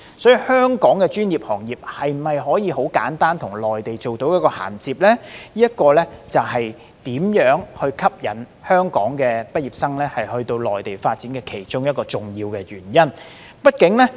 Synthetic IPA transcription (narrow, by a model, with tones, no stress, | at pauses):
sɔː˨˥jy˨˧hœː˥ŋkɔː˨˥ŋkɛː˧t͡ʃyː˥njiː˨p̚hɔː˨˩ŋjiː˨p̚hɐ˨jm̩˨˩hɐ˨jɦɔː˨˥jiː˨˧ɦo˨˥wka̰ː˨˥nt̪aː˥nt̪ʰʊ˨˩ŋlɔː˨jt̪e˨jt͡so˨wt̪o˨˥wjɐ˥tkɔː˧ha̰ː˨˩nt͡siː˨p̚lɛː˥jiː˥ɐ˥t̚kɔː˧lɛ˥t͡sɐ˨˩whɐ˨j | t̪iː˨˥mjœː˨˥ŋhɵ˧ɥkʰɐ˥p̚jɐ̰˨˩n | hœː˥ŋkɔ̰ː˨˥ŋkɛː˧pɐ˥t̚jiː˨p̚sɐ˥ŋlɛː˥hɐ˨jhɵ˧ɥt̪o˧wlɔː˨jt̪e˨jfaː˧t̚t͡siː˨˥nkɛː˧kʰe˨˩jt͡ʃʊ˥ŋjɐ˥t̚kɔː˧t͡sʊ˨˩ŋjiː˧wkɛː˧jy̰ː˨˩njɐ˥n | pɐ˥t̚kɪ˨˥ŋlɛ˥